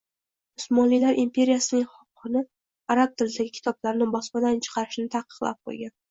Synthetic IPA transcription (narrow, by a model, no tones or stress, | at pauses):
ʊsmɒnlijlaɾʔimpʲʰe̞ɾijasɪnɪŋχɒqʰːɨnɪ | aɾab̚t̪ʰɪlɪd̪aɡʲɪkʲʰɪ̥t̪ʰɒblaɾnɪbɒspad̪ant͡ʃʰɨ̥qʰɑɾɪʃnɪt̪ʰɑqɨ̥qlˠa̰p̚qʰo̰jɡʲan